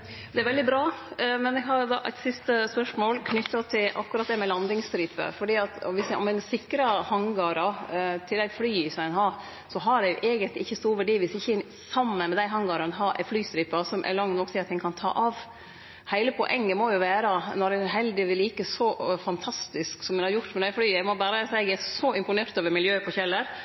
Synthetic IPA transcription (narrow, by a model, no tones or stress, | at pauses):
d̪ɛæɾʋɛld̪ɪbɾɑːmɛnɛɡɦɑɾd̪ɑ̰ːʔæɪt̪sɪst̪əspœʂmoːlkʰnʏt̪ːɑt̪ʰɪlʔɑ̰kːʉɾɑt̪̚d̪ɛmɛlɑnd̪ɪŋst̪ɾiːpə̰fɔɖiːɑt̪ɔ̰ʋɪsʔɔ̰mɛnsɪkːɾɑhɑŋɡɑɾɑt̪ʰɪld̪æɪflyːsɔɛnɦɑɾ | sɔɦɑɖɛjʊʔɛːɡənt̪lɪʔɪçːəst̪uːɾʋæɖiːʋɪsɪçːəɛn | sɑmːənmɛd̪æɪɦɑŋɡɑːɾɑnɦɑɾʔɛ̰flyːst̪ɾiːpɑsɔmʔɛ̰lɑŋnɔksɪt̪ːɛŋkʰɑnt̪ʰɑ̰ːʔɑʋ | hæɪləpʰɔ̰ʔɛŋːəmɔjʊʋæːɾɑnɔɾɛnɦɛld̪ɪʋɪlːiːkəsɔfɑnt̪ʰɑst̪ɪsksɔmɛnhɑɾjʊʈt̪mɛd̪æɪflyːæɡmɔbæːɾəsɛɡɛsɔɪmpʊneːɾt̪oːʋəɾmɪljøːpʰɔçɛlːəɾ